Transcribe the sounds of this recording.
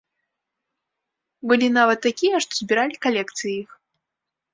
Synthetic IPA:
bɨlʲinavɐt̪ːakʲijɛʂt̪ɔ̥zʲbʲiɾalʲikalʲɛkt̪sɨjix

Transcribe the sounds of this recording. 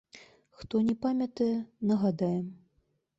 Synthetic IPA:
xt̪ɔnʲɛpamʲɐt̪ɐjɛnɐɣad̪ajɛm

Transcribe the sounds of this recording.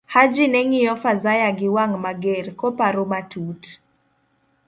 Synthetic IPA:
had͡ʒinɛŋijɔfazajaɡɪwaŋmaɡɛɾkɔpaɾomatʰut

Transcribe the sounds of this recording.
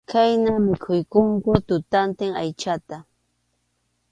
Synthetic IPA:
kʰajnamɪkʰʊjkʊŋkʊt̪ʊt̪ant̪ɪŋa̰jt͡ʃat̪a

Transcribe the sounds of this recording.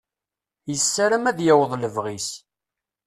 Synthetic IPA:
jəsːaɾəmæðjæwəðˤləvʁis

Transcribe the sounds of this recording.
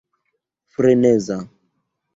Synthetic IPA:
fɾenɛza

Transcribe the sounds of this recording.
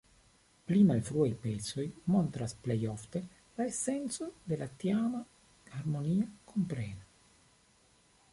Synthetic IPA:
plimalfɾuajpeso̞jmo̞nt̪ɾasplejo̞ft̪e̞ | laese̞nt͡so̞d̪e̞lat̪iama | haɾmo̞niakʰo̞mpɾena

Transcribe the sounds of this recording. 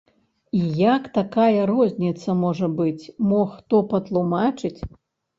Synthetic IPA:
ijakt̪akajɐɾɔzʲnʲit̪sɐmɔʐɐbɨt͡sʲmɔxt̪ɔpɐt̪lˠumat͡ʂɨt͡sʲ

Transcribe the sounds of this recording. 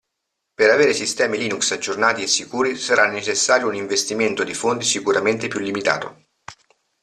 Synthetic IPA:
peɾaveːɾesist̪ɛːmiliːnuksad͡ʒːornaːt̪iesːikuːɾisaɾʔanːet͡ʃesːaːɾjouniɱvest̪iment̪od̪ifont̪isikuɾament̪epjulːimit̪a̰ːt̪o̰

